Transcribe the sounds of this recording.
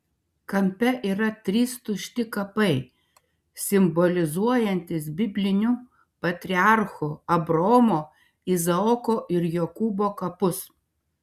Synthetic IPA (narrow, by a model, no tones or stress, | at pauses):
kɐmʲpʲɛʔiːɾɐt̪ʲɾʲiːst̪ʊʃʲt̪ʲɪkɐpɐɪ | sʲɪmbɔlʲɪzuɔjɛnʲt̪ʲɪs̬bʲɪbʲlʲɪnʲʊ | pɐt̪ʲɾʲɪɑˑɾxʊɐbɾoːmoː | izɐɔkoːʔɪɾjokuːboːkɐpʊs